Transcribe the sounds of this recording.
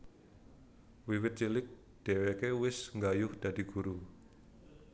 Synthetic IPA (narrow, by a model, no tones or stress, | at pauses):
wiwɪt̪̚t͡ʃilɪk̚ | d̪̥ɛwekewɪsŋɡajʊhd̪̥a̤d̪̥i̤ɡ̥uɾu